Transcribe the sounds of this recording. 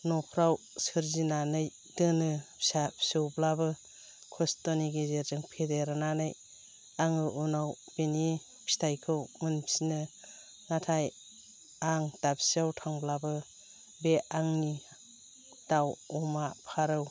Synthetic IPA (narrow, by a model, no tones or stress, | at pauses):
nɔpʰɾaw | sɯɾzinanɯj | dɯnɯpʰi̥sapʰi̥sɯwblabɯ | kʰɔstoniɡezeɾzɯŋpʰedeɾɯnanɯj | aŋɯʔunaw | b̥eni | pʰi̥stʰajkʰɯwmɯnpʰi̥sinɯ | natʰaj | aŋdapʰsawtʰaŋblabɯ | beaŋni | d̥awɔmapʰaɾɯw